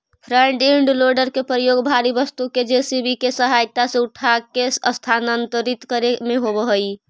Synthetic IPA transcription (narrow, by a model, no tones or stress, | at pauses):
pʰɾəɳɖiɳɖloɾɖəɾkepɾəjoɡbʱaɾibəst̪uked͡ʒesibikesəɦajt̪aseuʈʰakesəst̪ʰanənt̪əɾit̪kəɾemeɦobəɦəj